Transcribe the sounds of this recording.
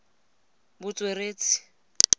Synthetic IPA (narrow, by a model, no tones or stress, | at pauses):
bʊt͡sʼwereːt͡si̥